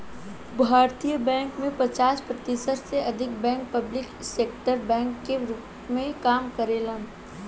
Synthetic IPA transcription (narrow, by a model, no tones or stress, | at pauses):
bʱaːɾt̪ijəbɛ̃ːŋkmẽpɐt͡ʃaːspɾət̪ɪsəɾseʔɐd̪ʱɪkbɛ̃ːŋk̚pɐblɪkseːkʈəɾbɛ̃ːŋkːeɾʊp | mẽkaːmkəɾeːlə̃